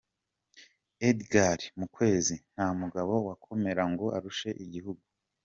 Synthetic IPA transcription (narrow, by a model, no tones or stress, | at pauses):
edɡaɾimukwe̞ːzin̥haːmuɡaβo̞wakʰo̞me̞ɾaŋɡo̞ʔaɾuʃe̞ʔiɟiɦuɡu